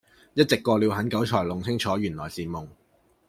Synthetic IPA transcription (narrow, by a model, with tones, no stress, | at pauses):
jɐ˥t̚t͡sɪ˨kːɔː˧liː˨˧wɦɐ˨˥nkɐ˨˥wt͡ʃʰɔː˨˩lʊ˨˩ŋt͡sʰɪ˥ŋt͡ʃʰɔː˨˥jyː˨˩nlɔː˨jsiː˨mʊ˨˩ŋ